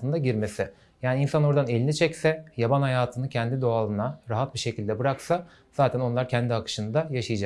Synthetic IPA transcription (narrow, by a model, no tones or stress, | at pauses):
ɯnd̪aɟiɾme̞sɪ | jaːniinsanoɾd̪ane̞lʲinit͡ʃʰɛcsɛjabanhajaːt̪ʰɯnɯcʰɛnd̪id̪o̞alˠɯnaɾaɦat̪̚biʃe̞cʰilʲd̪ɛbɯɾaksa | z̥aːt̪ʰæno̞nlˠaɾcʰɛnd̪iakʰɯ̥ʃɯnɯd̪ajaʃɯjɯd͡ʒak